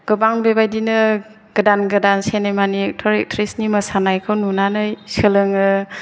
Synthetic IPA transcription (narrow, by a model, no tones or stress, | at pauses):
ɡ̥ɯbaŋbebajdinɯ | ɡ̥ɯdanɡɯdansenejmaniek̚tʰɔɾek̚tʰɾisniməsanajkʰɯwnunanɯjsɯlɯŋɯ